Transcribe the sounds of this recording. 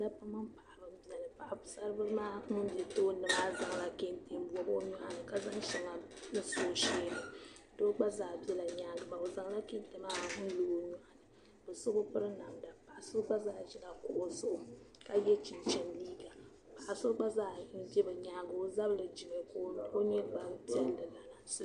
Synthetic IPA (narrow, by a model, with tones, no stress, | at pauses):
na˦pa˦mɨ˦mpa˨ʔa˨bɨ˦m˦bi˦ɛ˨lɨ˨pa˨ʔa˨˦sa˦ɾɨ˦bɨ˦maː˦ɨ˦bɛ˨toː˦nɨ˨maː˦za˨ŋ˨la˨ke˦nte˦m˦bwɔ˨bo˦ɲu˦ʔa˨nɨ˨ka˦za˦ŋʃɛ˨ŋa˨nɨ˦soː˦ʃeː˦nɨ˨˦ | do˦ɡ͡ba˦zaː˨bi˦ɛ˦la˨ɲaː˦ɡɨ˨ma˨o˨za˨ŋla˦ke˦n˦te˦maː˦n̩˦lo˨˦o˦ɲu˨˦ʔa˨nɨ | bɨ˨so˦bʊ˦pɨ˦ɾɨ˦na˨mda˨pa˨ʔa˨so˦ɡ͡ba˦zaː˦˨ʒɪ˦na˨kʊ˨ʔo˨sʊ˦ʔʊ˦ka˦jɛ˦t͡ʃi˨nt͡ʃɛ˨nliː˦ɡa˨ | pa˨ʔa˨so˦ɡ͡ba˦zaː˦n̩˦bɛ˦bɨ˨ɲaː˦ɡɨ˨o˦za˦bɨ˨lɨ˨d͡ʒi˨mɛ˨ko˦o˦ɲɛ˦ba˦mpi˦ɛ˦ldɨ˨na˨na˨sɨ˦